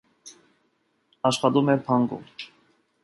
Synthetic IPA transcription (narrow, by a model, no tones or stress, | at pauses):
ɑʃχɑt̪umɛɾpʰɑŋɡṵm